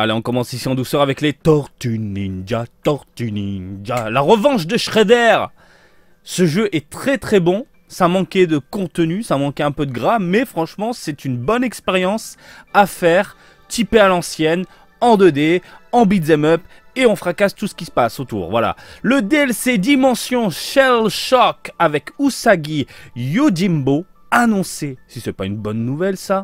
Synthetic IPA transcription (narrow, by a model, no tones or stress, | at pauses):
aleɔ̃kɔmɑ̃sisiɑ̃d̪usœʁavɛklet̪ɔʁt̪ynind͡ʒat̪ɔʁt̪ynind͡ʒalaʁəvɑ̃ʃd̪əʃχed̪ɛʁ | səʒøʔɛt̪χɛt̪χɛbɔ̃ | samɑ̃kʲɛd̪əkɔ̃t̪ənysamɑ̃kʲɛɛ̃pød̪əɡʁamɛfχɑ̃ʃmɑ̃sɛt̪ynbɔnɛkspeʁjɑ̃safɛʁ | t̪ʰipealɑ̃sjɛn | ɑ̃d̪ød̪eɑ̃bid̪zɛmœp | eɔ̃fχakast̪usə̥kʲisə̥pasot̪ṵːʁvwa̰la̰ləd̪eɛlsed̪imɑ̃sjɔ̃ʃɛlʃɔkavɛkusaɡʲijod̪imbo | anɔ̃sesisɛpay̰nbɔnːuvɛlsa